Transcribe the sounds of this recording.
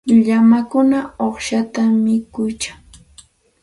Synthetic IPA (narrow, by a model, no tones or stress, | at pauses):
ʎamakʊnaoχʃat̪amɪkʊjt͡ʃaŋ